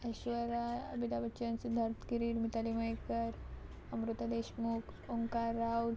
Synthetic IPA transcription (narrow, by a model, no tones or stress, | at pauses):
əɕʋəɾaəbit̪abəːt͡ʃənsud̪ʱaɾt̪kiɾiɽmit̪aliməjkəɾ | əmɾut̪ad̪eɕmukoŋkaɾaw